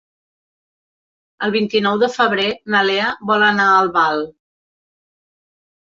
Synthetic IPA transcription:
əlˠβint̪inɔwðəfəβɾenəleəβɔlənaəlˠβalˠ

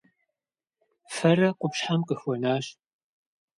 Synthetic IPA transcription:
fɐrɐqʷʊpɕħamqəxʷɔnaːɕ

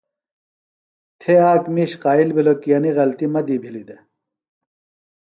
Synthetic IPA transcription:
t̪ʰeaːkmiɕqaːilbilokijɐniɣɐlt̪imɐd̪ibʱilid̪e

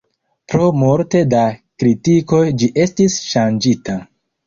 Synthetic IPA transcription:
pɾo̞moɾte̞dakɾitiko̞jd͡ʒiʔe̞stisʃand͡ʒita

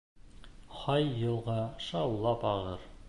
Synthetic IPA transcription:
qɑjːɤ̆lˠʁɑʃɑwlˠɑpɑʁɤɾ

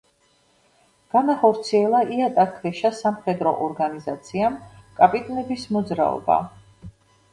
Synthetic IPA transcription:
ɡ̥anaχɔɾt̪sʰiɛlˠaʔiat̪ʼakʰvɛʃasamχɛd̪ɾɔ̰ʔɔɾɡanizat̪sʰiamkʼapʼit̪ʼɔnɛbismɔd̪zɾa̰ɔ̰ba̰

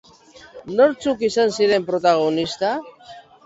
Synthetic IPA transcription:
no̞ɾt͡sukisansiɾe̞mpɾo̞t̪aɣ̞o̞nist̪a

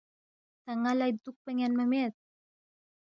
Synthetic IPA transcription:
t̪aŋalajd̪uk̚pəŋanməmet̪̚

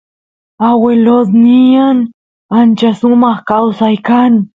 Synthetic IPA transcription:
awelot̪nɪjaŋ | ant͡ʃasʊmɑχkawsajkaŋ

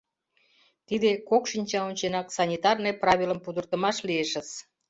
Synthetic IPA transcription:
t̪id̪ekokʃinʲt͡ɕɑonʲt͡ɕenɑksɑnʲit̪ɑrneprɑβʲiləmpud̪ərt̪ə̆mɑʃlieʃə̆z

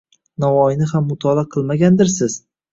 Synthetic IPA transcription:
navɒjnɪhamːʊt̪ʰɒlaqʰɨlˠmaɡʲand̪ɪɾsɪz̥

